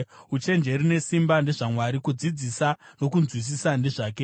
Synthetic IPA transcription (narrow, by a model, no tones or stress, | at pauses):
ut͡ʃe̞nd͡ʒe̞ɾine̞simbande̞ʐamwaɾikud͡zid͡zisano̞kunzwis̬isande̞ʐaːke